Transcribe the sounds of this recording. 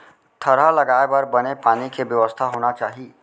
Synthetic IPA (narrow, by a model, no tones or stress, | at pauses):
t̪ʰəɾalɐɡaːebəɾbənepaːnikebjəʋəst̪ʰaɦoːnat͡ʃaːɦiː